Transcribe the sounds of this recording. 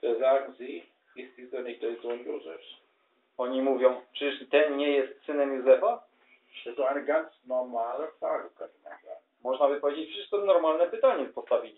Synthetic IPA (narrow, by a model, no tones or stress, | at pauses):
t̪ɛzaŋzi | ist̪izɔnit̪ɛzɔnjuzɛʃ | ɔɲimuvʲjɔ̃w̃t͡ʂɘʂt̪ɛnɲɛjɛst̪sɘnɛmjuzɛfa | ʃɛt̪ɔanɡansnɔɾmalɛt̪aɡkatnaɡa | mɔʐnabɘpɔvʲed͡ʑet͡ɕfʂɘst̪sɨznɔɾmalnɛpɘt̪aɲɛspɔst̪avʲilʲi